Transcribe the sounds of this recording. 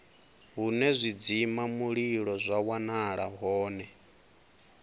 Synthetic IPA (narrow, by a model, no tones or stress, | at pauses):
ɦunɛzʷid͡zimamuɺiɺɔzʷawanaɺa̰ɦɔːnɛ